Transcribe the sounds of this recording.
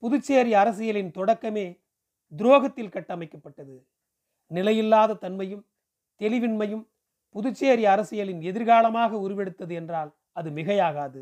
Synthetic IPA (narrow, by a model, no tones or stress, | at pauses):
pʊðʊt͡ʃːeːɾiɐɾɐsɪjɐlɪnt̪ɔɽɐkːɐmeː | d̪ɪɾoːɣɐt̪ːɪlkɐʈːɐmɐɪkːɐpːɐʈːɐðɯ | nɪlɐjɪlːaːðɐt̪ɐnmɐjɯm | t̪ɛlɪʋɪnmɐjɯm | pʊðʊt͡ʃːeːɾiɐɾɐsɪjɐlɪnɛðɪɾɣaːlɐmaːɣɐʊɾʊʋɛɽɯt̪ːɐðɯɛndraːl | ɐðɯmɪɣɐjaːɣaːðɯ